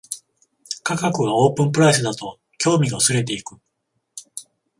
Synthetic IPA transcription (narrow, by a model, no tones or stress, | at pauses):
kakakɯ̟βao̞ːpɯ̟̃mpɯ̟ɾais̬ɨd̪at̪o̞ | kʲo̞ːmʲiɡaɯsɨɾe̞t̪e̞ikɯ̟